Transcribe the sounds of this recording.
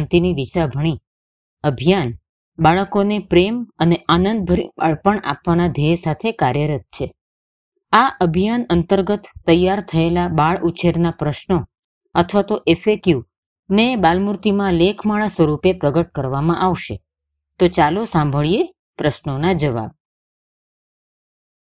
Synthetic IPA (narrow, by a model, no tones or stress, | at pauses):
nt̪inid̪iʃabʱəɽ̃i | əbʱijan | baɭəkonepɾeməneʔanənd̪̚bʱəɾiaɭpəɳa̰pʋanad̪ʱesat̪ʰekaɾjəɾət̪̚t͡ʃʰe | aʔəbʱijanənt̪əɾɡət̪ːəjːaɾt̪ʰəelabaɭʔut͡ʃʰeɾnapɾəʃno | ət̪ʰʋat̪oʔefekju | nebalmuɾt̪imãlekʰmaɭasʋəɾupepɾəɡəʈ̚kəɾʋamãʔaʋʃḛ | t̪ot͡ʃalosãmbʱəɭie | pɾəʃnonad͡ʒəʋa̰b̚